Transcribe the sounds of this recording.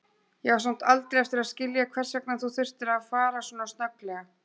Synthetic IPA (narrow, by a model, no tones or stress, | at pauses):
jɛɣaɾsam̥t̪alt̪ɾijɛft̪ɪɾaðscɪljakʰvɛr̥sjaknanθuθʏr̥t̪ɪɾaðfaːɾasuɔːnast̪nœklɛːɣa